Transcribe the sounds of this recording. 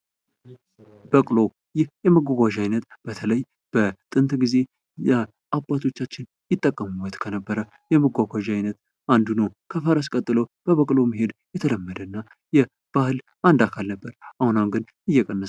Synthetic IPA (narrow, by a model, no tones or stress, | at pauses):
b̥əkʼlo̞ | jɪhjɛməɡʷaɡʷaʒajnət̪b̥ət̪ʰələj | b̥ət̪ʼɨnt̪ʼɡize̞ | jɛ | ʔabʼat̪ʰo̞t͡ʃːat͡ʃːɪn | jɪt̪ʼːəkʼːəmuwət̪kʰənəbːəɾə | jɛməɡʷaɡʷaʒajnət̪ | and̪unəwkʰəfəɾəs̬kʼət̪ʼːɨləwb̥əβəkʼlo̞miɦe̞d̪jɛt̪ʰələmːəd̪ənːa | jɛ | b̥ahɨl | ʔand̪akʰalnəbːəɾʔahunamɡɨn | ɨjːɛkʼənːə